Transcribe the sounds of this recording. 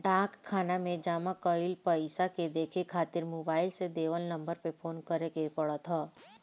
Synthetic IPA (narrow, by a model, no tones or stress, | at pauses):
ɖaːkkʰːaːnamẽd͡ʒaːmãkəɪlpəɪsaked̪eːkʰekʰaːt̪ɪɾmoːbaːɪlsed̪eːʋəlnɐ̃mbəɾpepʰoːnkəɾekepəɽət̪ɦɔː